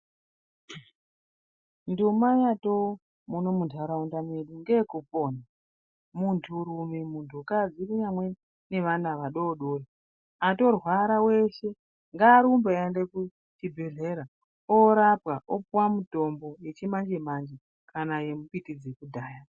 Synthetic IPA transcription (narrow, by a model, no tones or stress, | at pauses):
ndumajato | muno̞mundʰʱaɾaundameɗuŋɡekupo̞na | muntʰuɾumimuntʰukad͡ziriɲamwe̞ | ne̞ʋanaʋaɗoɗo̞ri | ato̞rwaɾawe̞ʃe̞ | ŋɡaɾumbeendeku | tibʱe̞ɮe̞ɾa | oɾapɣaʔopuwamuto̞mbo̞je̞t͡ʃimand͡ʒemand͡ʒe | kʰanaje̞mupitid͡zekudʱaːja